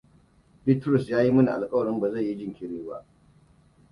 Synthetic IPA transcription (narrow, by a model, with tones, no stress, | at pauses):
bi˦tɾʊ˨sjaː˦ji˦mɐ˦ni˨ʔa̰˨lkʼɐ˦wɐ˨ɽɪ˦mba˨za˦˨jːi˦d͡ʒɪ˦ŋkʲɪ˦ɽeː˦ba̰˦ʔ